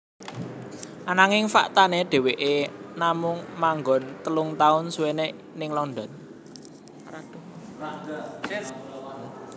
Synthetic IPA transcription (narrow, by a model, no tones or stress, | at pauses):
ʔanaŋɪŋfa̰ʔt̪aneɖ̪̥e̤weʔenamʊŋmaŋɡɔnt̪əlʊŋt̪aʊnsuweneʔ | nɪŋlɔnd̪ɔn | ɾad